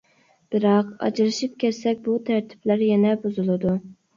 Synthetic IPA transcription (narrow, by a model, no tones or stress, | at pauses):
b̥ɪɾɑqɑ̰d͡ʒɾɨʃip̚kʲʰɛssɛk̚ʲbut̪ʰæɾt̪ʰɪ̥plæɾjɛnɛbuzulˠɨd̪u